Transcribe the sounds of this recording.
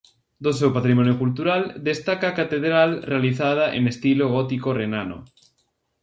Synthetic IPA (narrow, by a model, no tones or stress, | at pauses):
d̪os̬ewpat̪ɾimõnjokult̪uɾald̪est̪akakat̪eðɾalrealiθað̞aʔḛnest̪iloɣ̞ot̪ikorenano̰